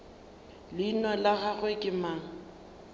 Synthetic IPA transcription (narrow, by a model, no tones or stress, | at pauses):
lɪnɔlaɣaɣʊɪkʼɪmaːŋ̩